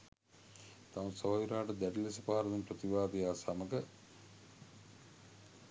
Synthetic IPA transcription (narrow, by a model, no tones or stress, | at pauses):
t̪aʋusəʋaːʋiɾaːʈəd̪æʈilesəpaɦaɾɐnumprət̪ibaːd̪ejaːsaməɡə